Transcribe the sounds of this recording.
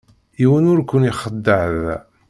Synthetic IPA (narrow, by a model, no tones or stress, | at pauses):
iwənʊɾkʷːʊniχəd̪ːəʕð